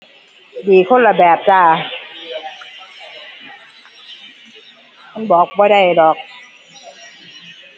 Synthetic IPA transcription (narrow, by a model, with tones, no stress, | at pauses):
diː˨˩kʰo˧˥˨nla˨˩bɛː˨˩p̚t͡ɕaː˧˩ | kʰa˧˥˨nbɔː˨˩˦k̚bɔː˧˦ɾa˧˩˨jlɔː˨˩k̚